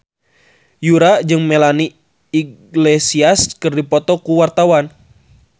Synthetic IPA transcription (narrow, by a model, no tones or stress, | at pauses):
juɾad͡ʒɨŋmɛlani | iɡlesiaskɨrdipɔt̪ɔkuwart̪awan